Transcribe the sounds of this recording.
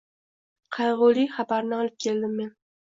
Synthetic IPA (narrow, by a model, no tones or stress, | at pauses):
qʰɑjʁʊlˠɪjχabaɾnɪɒlˠɪp̚kʲʰe̞ld̪ɪmːe̞n